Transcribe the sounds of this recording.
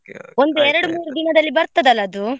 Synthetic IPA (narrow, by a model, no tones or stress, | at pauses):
o̞nd̪uɛɾɐɽumuːɾud̪inɐd̪ɐlːibɐɾt̪ɐd̪ɐlːɐːd̪u